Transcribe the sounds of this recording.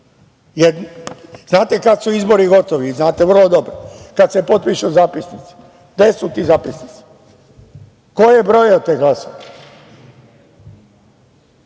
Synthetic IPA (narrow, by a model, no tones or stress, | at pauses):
jeɾznaːt̪ekat̪suizbo̞ɾiɡo̞t̪oʋiznaːt̪eʋr̩lˠod̪o̞bɾokad̪sepo̞t̪̚piʃuzaːpisnit̪si̥ | d̪esut̪iːzaːpisnit̪si̥ | kojebɾo̞jot̪ːeɡlaso